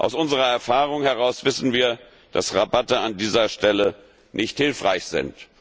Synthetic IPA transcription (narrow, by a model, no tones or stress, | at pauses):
ʔa̰ʊsʔʊnzəʁɐɛɐfaːʁʊŋhɛʁaʊsv̥ɪsn̩viːɐ | d̥a̰sʁabatəandiːzɐʃtɛlə | nʔɪçthɪlfʁ̥a̰ɪçz̥ɪ̰nt